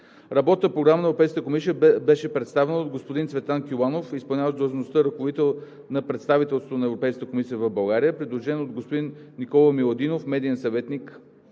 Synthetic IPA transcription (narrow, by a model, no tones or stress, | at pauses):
ɾɐbɔt̪nəpɾoɡɾamənɐɛvɾopɛjskət̪əkomisijəbɛʃɛpɾɛt̪st̪avɛnəod̪ɡospod̪int̪svɛt̪lˠankʲilˠanofispɐlˠnʲavʒd̪əlˠʒnost̪əɾəkovod̪it̪ɛlˠ | nɐpɾɛt̪st̪avit̪ɛlˠst̪ot̪onɐɛvɾopɛjskət̪əkomisijəvəvbɐlˠɡaɾijəpɾid̪lˠoʒɛnod̪̚ɡospod̪inːikɔlˠəmilˠod̪inofmɛd̪iɛnsɐvɛt̪nik